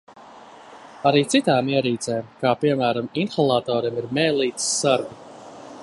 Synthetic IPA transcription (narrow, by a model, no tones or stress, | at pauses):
aɾiːt̪sit̪aːmiɛɾiːt̪sɛːmkaːpiɛmæːɾaminxalˠaːt̪ɔːɾimiɾmɛːlˠiːt̪ssaɾɡi